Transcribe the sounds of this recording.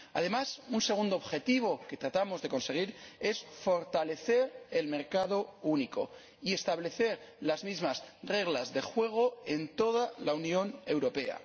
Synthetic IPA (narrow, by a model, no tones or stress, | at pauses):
a̰ð̞e̞masunse̞ɣ̞und̪oβxe̞t̪iβ̞o̞ke̞t̪ɾat̪amo̞zðe̞ko̞nse̞ɣ̞iɾe̞sfo̞ɾt̪ale̞θe̞ɾe̞lme̞ɾkað̞o̞uniko̞̰ | ie̞st̪aβle̞θe̞ɾlazmizmasre̞ɣ̞lazðe̞xwe̞ɣ̞o̞e̞nt̪o̞ð̞alaunjo̞ne̞wɾo̞pe̞a̰